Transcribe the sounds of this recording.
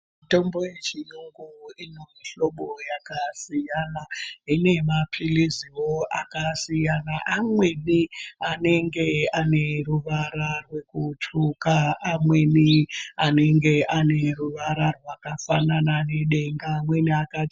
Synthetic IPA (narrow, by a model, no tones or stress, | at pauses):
mito̞mbo̞je̞t͡ʃijuŋɡuinomiɬo̞ɓo̞jakasijanaine̞mapʰiliziwo̞akasijanaʔamwe̞niane̞ŋɡe̞ane̞ruʋaɾarwe̞kutukaamwe̞niane̞ŋɡe̞ʔane̞ruʋaɾarwakafananane̞ɗe̞ŋɡamwe̞niaka